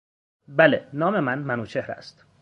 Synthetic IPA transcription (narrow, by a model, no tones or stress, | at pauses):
bælenɒːme̞mænmænuːt͡ʃʰe̞hɾæ̰st̪